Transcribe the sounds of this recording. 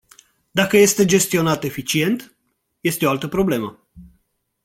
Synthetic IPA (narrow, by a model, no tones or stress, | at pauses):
d̪akəje̞st̪e̞d͡ʒe̞st̪io̞nat̪e̞fit͡ʃie̞nt̪ | je̞st̪eoalt̪əpɾo̞ble̞mə